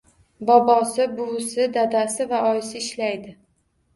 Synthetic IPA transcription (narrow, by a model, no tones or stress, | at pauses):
bɒbɒsɪbʊwsɪd̪ad̪asɪvaɒjsɪɪʃlajd̪ɪ